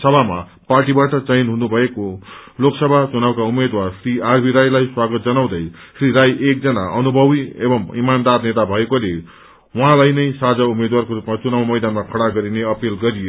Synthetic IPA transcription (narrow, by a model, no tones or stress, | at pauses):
sʌbʱama̰ | parʈibaʈʌt͡sʌjnɦunubʱʌekoloksʌbʱat͡sunawkaumed̪warsriarbʱiɾajlajswaɡʌt̪̚d͡zʌnaw̃d̪ʌj | sriɾajek̚d͡zʌnaʔʌnubʱʌbiḛbʌmimand̪arnet̪abʱʌekole | wʌɦãlajnʌjsad͡zaumed̪warkoɾupmat͡sunawmʌjd̪anmakʰʌɽaɡʌɾineʌpilɡʌɾije